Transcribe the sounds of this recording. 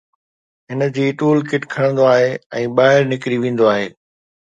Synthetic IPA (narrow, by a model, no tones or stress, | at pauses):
ɦɪnə̆d͡ʑiːʈuːlkɪʈkʰɐɽə̃nd̪oaːɦeɛ̃ːɓaːɦɪɾnɪkɾiʋẽːn̆d̪oaːɦeː